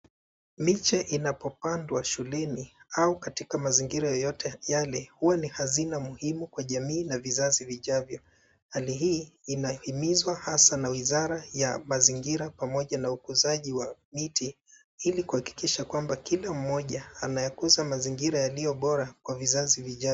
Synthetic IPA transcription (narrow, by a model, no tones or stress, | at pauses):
mit͡ʃaʔinapɔpandwaʃulɛniaukatikamaziŋɡiɾajɔjɔtɛjalɛhuwanihazinamuhimukwaʄamiːnavizaziviʄavjɔ | haliɦiːinahimizwahasanawizaɾajamaziŋɡiɾapamɔʄanaukuzaʄiwamiti | ilikuhaki̥kiʃakwambakilam̩ːɔʄaanajakuzamaziŋɡiɾajalijɔɓɔɾakwavizaziviʄa